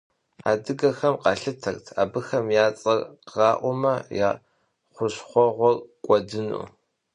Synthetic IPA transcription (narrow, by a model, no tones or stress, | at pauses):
a̰ːdɨɡɐxɐmqɑːɬɨtʰɐrtʰaːbɨxɐmjaːt͡sʼɐrqʁɑːʔʷʊmɐja̰ː | χʷʊɕχʷɔʁʷɔrkʷʼɔdɨnṵː